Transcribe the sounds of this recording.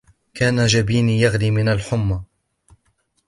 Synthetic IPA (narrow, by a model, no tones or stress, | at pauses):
kaːnad͡ʒabiːnijaɣliːmɪnalħʊmːa